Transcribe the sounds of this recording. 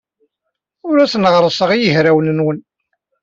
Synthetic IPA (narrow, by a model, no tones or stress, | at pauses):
ʊɾæsnʁɾˤəsˤəʁijəɦɾæwnənwən